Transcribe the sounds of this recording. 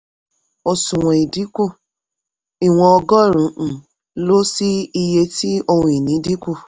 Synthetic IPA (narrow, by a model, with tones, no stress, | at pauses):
o˧sũ˨w̃ɔ̃˨i˨di˨˦ku˦˨ | i˨w̃ɔ̃˧ɔ˧ɡɔ˦˨ɾũ˨˦˨ | lo˦si˦i˧je˧ti˦o˧hũ˧i˨nĩ˨˦di˦ku˦˨